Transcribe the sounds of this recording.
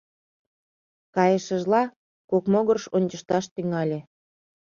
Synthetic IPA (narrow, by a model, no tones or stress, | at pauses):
kɑjə̆ʃəʒlɑ | kokmoɣərʃonʲt͡ɕəʃt̪ɑʃt̪yŋɑlʲe